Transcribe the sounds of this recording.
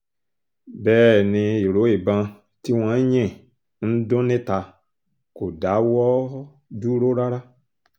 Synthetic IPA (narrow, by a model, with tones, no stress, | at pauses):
bɛː˦˨nẽ˧je˨ɾo˨˦e˨bã˧ | ti˦w̃ã˨˦ɲɛ̃˦˨ | n̩˦dõ˦nẽ˦ta˨ | ko˨da˨˦wɔ˦ | du˦ɾo˦ɾa˦ɾa˦